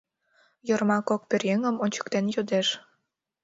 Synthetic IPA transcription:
jormɑkok̚perjeŋə̆monʲt͡ɕə̥kt̪enjod̪eʃ

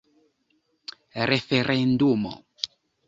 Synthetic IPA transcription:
ɾefeɾʔend̪umo̰

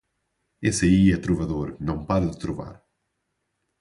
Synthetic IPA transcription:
esɐiɛt̪ɾuvɐðoɾnɐ̃w̃paɾɐðɨt̪ɾuva̰ɾ

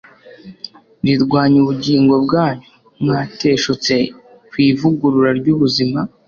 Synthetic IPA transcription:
niɾɡwaːɲuβuɟiːŋɡo̞b̚ɡaːɲu | mŋaːte̞ːʃot͡se̞ | kwiːvuɡuɾuɾaɾɟuβuzima

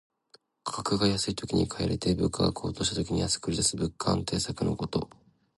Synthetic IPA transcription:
kʰakɯ̟ɡajasɨit̪o̞kʲiɲ̟ikʰaeɾet̪e̞bɯ̟kʰːaɡa̰kʰo̞ːt̪o̞ːɕit̪at̪o̞kʲiɲ̟ijasɨ̥kɯ̟ɾʲid̪asɨbɯ̟kʰːã̰nt̪e̞ːsakɯ̟no̞̰ko̞t̪o̞̰

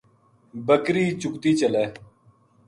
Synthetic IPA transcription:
bəkɾiːt͡ɕʊkt̪iːt͡ɕəleː

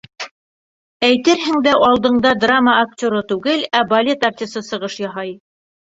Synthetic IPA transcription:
æjt̪ɘɾɦɘ̆ŋd̪æʔɑlˠd̪ɤ̆ɴd̪ɑd̪raməːk̚tʲoɾɤt̪ʉɡɘlæbɐlʲe̞t̪art̪ʲisɤsɤ̆ʁɤʃjɑɦɑj

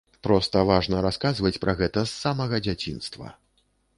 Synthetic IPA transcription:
pɾɔst̪ɐvaʐnɐɾaskazvɐt͡sʲpɾʔɐɣɛt̪ɐsːamɐɣɐd͡zʲat͡sʲinst̪vɐ̰

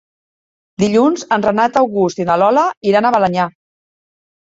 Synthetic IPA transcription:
d̪iʎunzənrənat̪əwɣust̪iðəlɔləiɾanəβələɲa

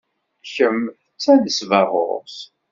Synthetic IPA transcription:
çəmθət͡sːæðəsvɑʁˤo̰ɾs

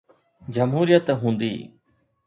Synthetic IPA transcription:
d͡ʒəmɦuːɾijət̪ɦũːnd̪ḭː

